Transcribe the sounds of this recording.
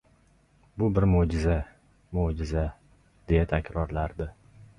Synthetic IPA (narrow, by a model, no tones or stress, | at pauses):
bʊbɪɾmod͡ʒɪza | mod͡ʒɪza | d̪̥e̞jat̪ʰakʲɾɒɾlaɾd̪ɪ